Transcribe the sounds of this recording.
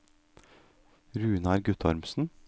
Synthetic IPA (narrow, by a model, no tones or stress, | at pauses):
ɾʉːnɑɾɡʉt̪ʰɑɾmsn̩